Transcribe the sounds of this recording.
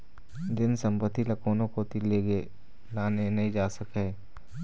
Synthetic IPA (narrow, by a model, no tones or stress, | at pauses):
d̪ɪnsɐ̃mpət̪ːilɐkoːnõkot̪ileːɡe | laːnenɐɦĩd͡ʒaːsəkeː